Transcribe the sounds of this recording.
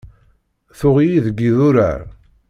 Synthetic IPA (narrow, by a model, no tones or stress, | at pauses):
θʊʁijiðəɡːiðuɾa̰ɾ